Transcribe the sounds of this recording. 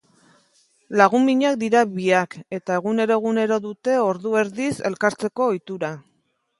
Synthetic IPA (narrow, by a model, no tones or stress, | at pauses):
laɣ̞umiɲak̚d̪iɾaβiake̞t̪ae̞ɣ̞une̞ɾo̞e̞ɣ̞une̞ɾo̞ðut̪e̞o̞ɾðue̞ɾðise̞lkaɾt͡se̞ko̞ːjt̪uɾa